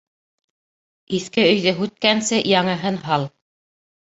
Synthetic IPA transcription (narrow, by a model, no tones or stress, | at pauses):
iθkɘɵ̆jðɘɦʉt̪̚kænsɘjɑŋɤ̆ɦɤnɦɑlˠ